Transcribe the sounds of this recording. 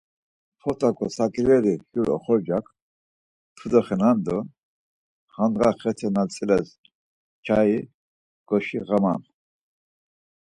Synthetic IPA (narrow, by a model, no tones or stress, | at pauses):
pʰɔt̪ʼakʼɔsakʼɾɛɾihjuɾɔ̰χɔɾd͡ʒak | t̪ʰud̪ɔχɛnand̪ɔn | χand̪ʁaχɛt̪ʰɛnalt͡sʰʼilɛz | t͡ʃʰai | ɡ̥ɔʃiʁama̰m